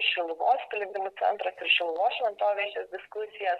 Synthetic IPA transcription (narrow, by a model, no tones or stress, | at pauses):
ʃʲɪlˠʊʋoːspʲlʲɪɡʲd̪ʲɪmʊt̪sʲɛ̰nt̪ɾɐsɪɾʃʲɪlˠʊʋoːsʃʲʋʲɛnt̪oːʋʲiɛt͡ʃʲeːsd̪ʲɪskʊsʲɪjɛs